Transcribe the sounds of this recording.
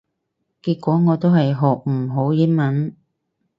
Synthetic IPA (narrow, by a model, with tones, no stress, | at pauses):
kiː˧t̚kʷɔː˨˥ŋɔː˨˧t̪o˥wɦɐ˨jɦɔː˨k̚m̩˨˩ɦo˨˥wji˥nmɐ˨˥n